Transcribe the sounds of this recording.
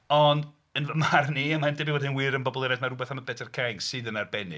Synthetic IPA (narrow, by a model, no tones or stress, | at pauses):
ɔnd | ənvəmarniəmandɪbiwɛdɪnwɪɾənbɔbɔlˠɪɾɛdmarʊbɛθaməbɛtʰɛrkʰajŋsɨːdənarbɛnɨ̰